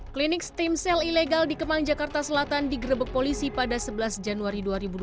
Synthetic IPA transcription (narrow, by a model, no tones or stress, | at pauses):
klinɪkst̪imsɛlileɡaldikəmaŋd͡ʒakart̪asəlat̪andiɡəɾəbək̚polisipadasəbəlasd͡ʒanuaɾiduaɾibud